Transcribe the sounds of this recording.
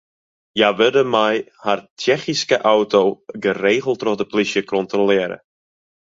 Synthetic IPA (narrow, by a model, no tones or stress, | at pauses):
jaːʋɪdəmajhart͡ʃɛχiskəʔawtowɡəreːχəlˠtrɔχdəpliʃjəkʰɔntrɔlɪːɾə̰